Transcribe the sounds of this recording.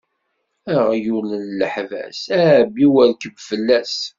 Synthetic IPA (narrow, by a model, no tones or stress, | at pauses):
æʁjulənləħvæ̰sæbiwəɾkəbfəlːæs